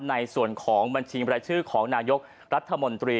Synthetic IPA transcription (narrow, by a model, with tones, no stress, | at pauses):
na˧jsu˨˩ənkʰɔː˩˦ŋba˧ŋt͡ɕʰiː˧pɾaː˧jt͡ɕʰɯː˥˩kʰɔː˩˦ŋnaː˧jo˦˥k̚ | ɾa˦˥t̪ʰːa˧mo˧nt̪ɾiː˧